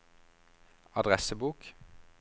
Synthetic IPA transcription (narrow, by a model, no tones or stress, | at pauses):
ɑd̪ʁɛsəbuːk